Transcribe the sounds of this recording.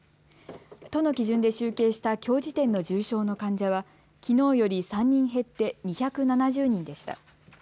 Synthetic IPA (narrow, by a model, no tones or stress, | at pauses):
t̪o̞no̞kʲiʑɨ̃nd̪e̞ɕɨːke̞ːɕi̥t̪akʲo̞ːʑit̪ẽ̞nːo̞d͡ʑɨːɕo̞ːno̞kãɲ̟d͡ʑaβa | kʲino̞ːjo̞ɾʲisãɲ̟ːĩɰ̃ɦe̞t̪ːe̞ɲ̟içakɯ̟nanaʑɨːɲ̟ĩnd̪e̞ɕi̥t̪a̰